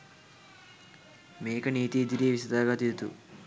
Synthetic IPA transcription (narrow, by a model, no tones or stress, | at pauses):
meːkɐniːt̪iːd̪iɾeːʋisɐd̪aːɡaːt̪iɾut̪ṵ